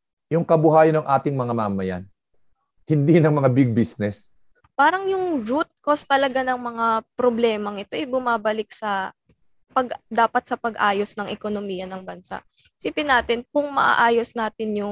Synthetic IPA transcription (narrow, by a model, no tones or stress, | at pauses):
jʊŋkɐbʊhaːjɐnɐŋʔaːt̪ɪŋmɐŋamaːmɐja̰n | hɪnd̪inɐŋmɐŋabiɡ̚bisnɛs | paːɾɐŋjʊŋɾut̪̚kost̪ɐlɐɡanɐŋmɐŋapɾoblɛːmɐŋɪt̪o̞ʔɛbʊmaːbɐlɪk̚sɐ | pɐɡd̪aːpɐt̪̚sɐpɐɡʔaːjo̞snɐŋʔɛko̞nomiːjɐnɐŋbɐnsa̰ʔ | ɪsiːpɪnːaːt̪ɪnkʊŋmɐ̰ʔa̰ʔaːjo̞snaːt̪ɪnjʊ